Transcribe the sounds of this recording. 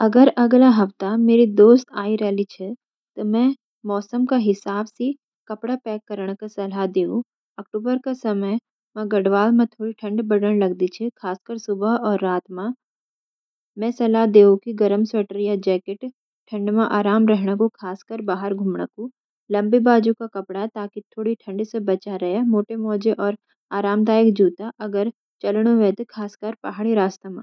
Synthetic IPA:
ɐɡəɾʔɐɡlaɦɐft̪ameːɾid̪oːst̪aːiɾɛɦlit͡ʃʰɛ | t̪omɛ̃ | mɔːsəmkaɦɪsaːbse | kɐpɽapɛːkːɐɾəɽ̃kasɐlad̪eːũ | ɐk̚ʈuːbəɾkasɐməj | mɛ̃ɡɐɽʋaːlmẽt̪ʰoːɽiʈʰɐ̃ɳɖbɐɽəɽ̃lɐɡd̪it͡ʃʰɛkʰaːskəɾsʊbəɔːɾːaːt̪mã | mɛ̃sɐlad̪eːõkiɡɐɾəmsəʈəɾijad͡ʒɛːkeʈ | ʈʰɐ̃ɳɖmãʔaːɾaːmɾɛɦɽ̃akokʰaːskəɾbaːɦəɾɡʱuːmɳa̰ku | lɐ̃mbibaːd͡ʒukakɐpɽat̪aːkit̪ʰoːɽiʈʰɐ̃ɳɖsebɐt͡ʃaɾɐemoːʈemɔːd͡ʒeʔɔːɾ | aːɾaːmd̪aːjəkd͡ʒuːt̪aʔɐɡəɾ | t͡ʃɐlɽ̃oʋẽt̪kʰaːskəɾpa̰ɦaɽ̃iɾaːst̪əmã

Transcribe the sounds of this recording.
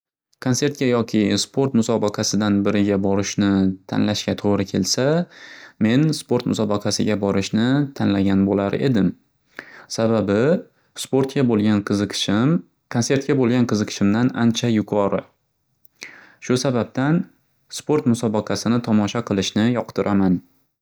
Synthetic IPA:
kʰonse̞ɾt̪̚kʲajɒkʲʰɪspʰo̞ɾt̪mʊsɒbɑqʰɑsɪd̪anbɪɾɪɡʲabɒɾɪʃnɪt̪ʰa̰nlaʃkʲat̪ʰoʁɾɪkʲʰe̞lsa | me̞nspo̞ɾt̪mʊ̰sɒbɑqʰɑsɪ̰ɡʲabɒɾɪʃnɪt̪ʰanlaɡʲanbolaɾe̞̰d̪ɪm | sababɪ | spo̞ɾt̪kʲabolˠɡʲanqɨzʃɪm | kʰonse̞ɾt̪̚kʲabolˠɡʲanqʰɨzɨqʰɨ̥ʃɪmd̪anʔant͡ʃʰajʊqʰɒɾɪ̰ | ʃʊsabap̚t̪an | spo̞ɾt̪mʊsɒbɑqʰɑsɪnɪt̪ʰɒmɒʃaqʰɨlˠɪʃnɪjɒqt̪ʰɪɾʔaman

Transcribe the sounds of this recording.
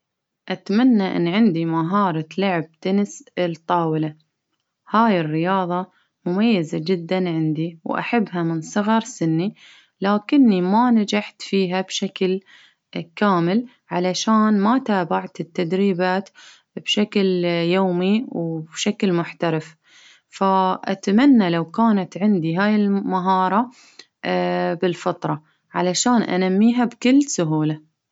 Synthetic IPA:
ʔat̪manːaʔɪ̰nːʕɪnd̪imaɦɑːɾˤɑlʊʕb̚t̪anɪslt̪ˤːɑːwɪla | haːjɪrːɪjɑːðˤɑ | mʊmajːazad͡ʒɪd̪ːanʕɪnd̪iwʔa̰ħabːɦamɪnsˤɨɣɑɾˤsɪnːi | laːkɪnːimanad͡ʒaħt̪fiːɦabʃakl | kaːmɪl | ʕalaʃaːnmat̪aːbaʕt̪ɪt̪ːad̪ɾiːbaːt̪ | b̥ʃakljoːmiwbʃaklmʊħt̪aɾɪf | faʔat̪amanːalawkaːnat̪ʕɪnd̪iɦaːjɪlmaɦɑːɾˤɑ | bɪlfɑt̪ˤɾˤɑ | ʕalaʃaːnʔa̰namːiːɦabkʊlːsʊɦuːla

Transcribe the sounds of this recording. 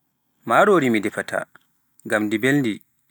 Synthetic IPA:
maːɾoːɾimidɛfata̰ | ɡamdibelndi

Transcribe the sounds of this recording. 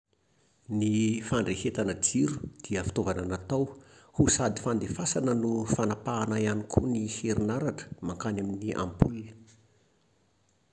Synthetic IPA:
nifaɳɖ͡ʐehet̪anəd͡ziɾu̥d̪̥iəfi̥t̪ovananat̪awhusad̪i̥fand̪efasanənufanapaːnajanikʰuniheɾinaɾaʈ͡ʂə̥maŋkanaminiʔa̰mbuli

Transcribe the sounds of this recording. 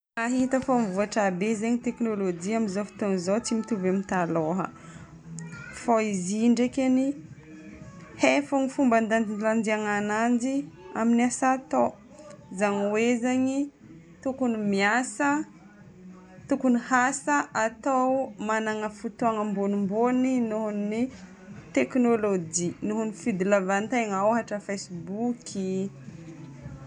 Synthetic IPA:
aɦit̪əfomvuaʈ͡ʂabezeɲit̪eknolod͡ʒiamizofi̥t̪uaŋzot͡simit̪uvamit̪aloɦə̰ | foiziɳɖ͡ʐekʲeni | hefaŋifumband̪and̪inland͡ʒ̪iaŋanand͡ʒia̰minasat̪o | zaŋwezaɲi | t̪ukunimiasə | t̪ukunihasəʔat̪awmanaŋəfut̪uaŋəmbonimboninuɦunni | t̪eknolod͡ʒinuɦunifid̪ilavant̪ajŋaaɦaʈ͡ʂəfejsbukʰi

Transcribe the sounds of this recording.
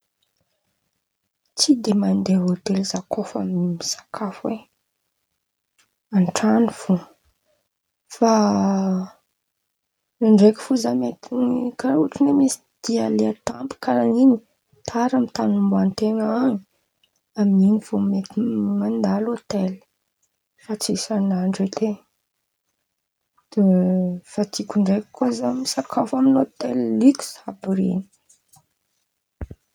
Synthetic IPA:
t͡sid̪emand̪eɦot̪elizakʰofamimisḁkʰafwe | aɳʈ͡ʂaniv̥u | fa | aɳɖ͡ʐeki̥fuzamet̪inikauʈ͡ʂinemisi̥d̪̥ialeat̪ampu̥kaɾanini | t̪ʰaɾamit̪anumbant̪eŋaaŋi̥ | amiŋiv̥omet̪iŋand̪alot̪el̥ | fat͡sisanaɳɖ͡ʐet̪ʰe | d̪̥efat̪ikʲuɳɖ͡ʐekə̥kozamisakʰafaminot̪ellikʲu̥zabiɾḭni̥

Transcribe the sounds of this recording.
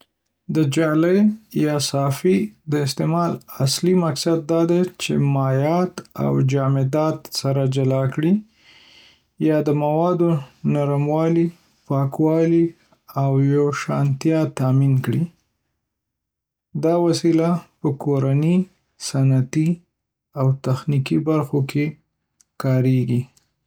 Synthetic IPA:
d̪əd͡ʒɑləjjɑsɑfid̪əɪst̪emɑlaslimaksad̪̚ːɑd̪at͡ʃḛmɑjɑt̪a̰wd͡ʒɑmɪd̪ɑt̪saɾad͡ʒalɑkɽi | jɑd̪əmawɑd̪onaɾamwɑli | pɑkwɑli | awjoʃɑnt̪jɑt̪aminkɽi | d̪ɑwasilapəkʰoɾani | sanat̪i | awt̪axnikibaɾxokʰe | kɑɾeɡi

